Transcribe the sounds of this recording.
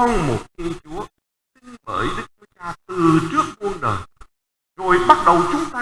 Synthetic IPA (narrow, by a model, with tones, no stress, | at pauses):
ɔ˧wŋ͡mmo˨˩t̚t̪ʰi˧ənt͡ɕu˨˦ə | sï˧ŋvəː˧˩jɗɨ˦˥k̚t͡ɕu˨˦t͡ɕaː˧t̪ɨ˨˩t͡ɕɨ˦˥ək̚mu˧ənɗəː˨˩j | zo˨˩jɓa˦˥t̚ɗə˨˩wt͡ɕʊ˨˦ŋ͡mt̪aː˧